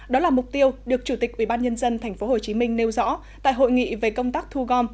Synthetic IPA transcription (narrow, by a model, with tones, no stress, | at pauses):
ɗɔ˨˦laː˨˩mʊ˨˩k͡p̚t̪i˧əwɗɨ˨˩ək̚t͡ɕu˧˩t̪ï˨˩k̟ʔi˧˩ɓaː˧nɲə˧nzə˧nt̪ʰɛ˨˩ŋ̟fo˨˦ho˨˩t͡ɕi˨˦mï˧ŋ̟ne˧wzɔ̰˧˥ | t̪a̰ː˧˨jɦo̰˧˨jŋḭ˧˨ve˨˩kə˧wŋ͡mt̪aː˦˥k̚t̪ʰu˧ɣɔ˧m